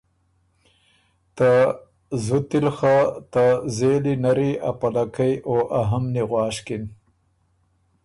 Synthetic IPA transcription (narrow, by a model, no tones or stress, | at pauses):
t̪a | zut̪ilxat̪azeːlinaɾia̰palakajoʔaɦamniɣwɑːʂkin